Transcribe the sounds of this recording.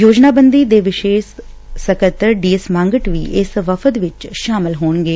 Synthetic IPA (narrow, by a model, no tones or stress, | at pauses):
joːd͡ʒnaːbənd̪iːd̪eːʋɪʃeːʃ | səkət̪əɾɖiːesmãːŋɡəʈʋḭːʔɪsʋəfʰət̪ʋɪt͡ʃʃaːmɪlɦoːɳɡeː